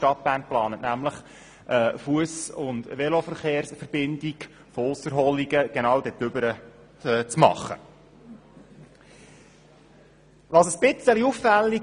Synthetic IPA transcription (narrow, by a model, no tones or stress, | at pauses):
ʃtɑt̚b̥æːrnplɑːnətnæmləχ | ʔɛːfuəsʊndʋɛlofəɾχeːɾsfəɾb̥ɪndiɡ | fɔʊsəɾɦɔliɡəɡ̥enɑːwd̥̪ɛt̪ʏbəɾə | t͡smɑ̰χːə̰ | ʋɑsəsb̥ɪt͡səliufːɛlːi